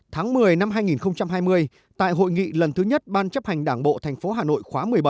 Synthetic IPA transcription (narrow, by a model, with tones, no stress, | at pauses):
t̪ʰaː˨˦ŋmɨ˨˩əjna˧mɦaː˧jŋi˨˩nxə˧wŋ͡mt͡ɕa˧mɦaː˧jmɨ˧əj | t̪a̰ː˧˨jɦo̰˧˨jŋḭ˧˨lə˨˩nt̪ɨ˨˦ɲə˦˥t̚ɓaː˧nt͡ɕə˦˥p̚ha˨˩ŋ̟ɗaː˧˩ŋɓo̰˧˨t̪ʰɛ˨˩jŋ̟fo˨˦ɦaː˨˩no̰˧˨jxwaː˨˦mɨ˨˩əjɓə˧˩